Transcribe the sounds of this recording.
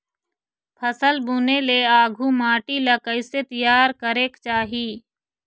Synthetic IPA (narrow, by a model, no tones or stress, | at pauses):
pʰəsəlbuːneːleːaːɡʱũːmaːʈiːlaːkəɪseːt̪əjaːɾkəɾeːkt͡ʃaːɦiː